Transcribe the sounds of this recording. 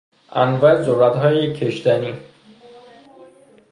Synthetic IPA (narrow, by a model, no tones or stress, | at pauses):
ʔænvɒːezoɾːæt̪ɦɒːjeecʰeʃt̪æniː